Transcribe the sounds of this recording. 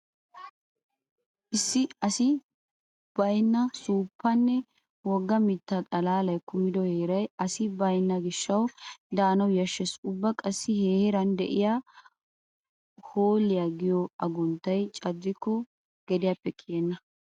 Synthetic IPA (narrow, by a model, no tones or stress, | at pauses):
ʔɪsːɪɐsɪ | b̥ɐjnːɐsuːpːɐnːɛ | wɔɡːɐmɪt̪ːɐt̪ʼɐlaːlɐjkʊmːɪd̪ɔheːɾɐjɐsɪbɐjnːɐɡɪʃːɐwd̪aːnɐwjɐʃːɛsʊbːɐkʼɐsːɪheːhɪɾɐnd̪ɛ̰ʔɪjaː | hoːlːɪjaɡɪjɔɐɡʊnt̪ːɐjt͡ʃʼɐd̪ːɪkːɔ | ɡ̥ɛd̪ɪjɐpːɛkʰɪjenːɐ